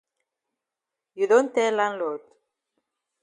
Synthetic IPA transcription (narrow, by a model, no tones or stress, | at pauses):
judõntɛlãnlod